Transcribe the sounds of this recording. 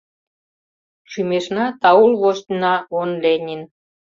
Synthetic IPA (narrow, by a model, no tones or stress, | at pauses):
ʃymeʃnɑt̪ɑulβoʃt̪ʲnɑonlenʲin